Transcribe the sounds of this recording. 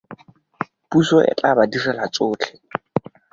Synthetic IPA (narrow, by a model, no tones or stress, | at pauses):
pusɔʔɛ̰t͡ɬʼabadirɛlat͡sʊːt͡ɬʰɛ̥